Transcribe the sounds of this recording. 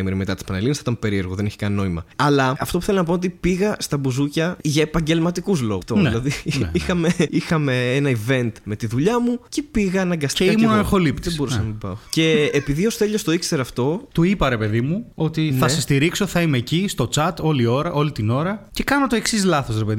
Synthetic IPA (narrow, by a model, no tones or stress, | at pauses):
miɾimet̪ɐt̪i̥spɐnelinɐsθit̪ɐmpe̞ɾie̞ɾɣoðe̞neçi̥kɐnino̞imɐ̰ɐlɐɐft̪ouθelonɐpoot̪̬ipiɣɐst̪ɐbuzucɐʝɐepɐɲɟe̞lmɐt̪ikuzlo̞̰t̪onnilɐðiixɐme̞ixɐme̞enɐive̞nt̪me̞t̪iðuʎɐmucepiɣɐɐnɐŋɡɐst̪eimunɐexo̞lippt̪ðebbo̞ɾussɐnɐmpɐ̰oce̞ːpiðio̞st̪e̞ʎost̪o̞ikse̞ɾɐft̪o̞t̪uipɐɾe̞pe̞ðimuo̞t̪iθɐsest̪iɾikso̞θɐimecist̪o̞t͡sɐt̪o̞lio̞ɾɐʔo̞lit̪ino̞ɾɐce̞kɐnot̪oe̞ksizlɐθo̞sɾepeði